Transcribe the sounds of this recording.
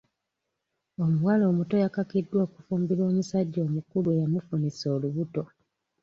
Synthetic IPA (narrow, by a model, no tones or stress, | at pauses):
o̞muwalo̞ːmuto̞jakakidːwoːku̥fuːmbiɾo̞ːmusaɟːo̞ːmukuluejamufuniso̞ːluβuto̞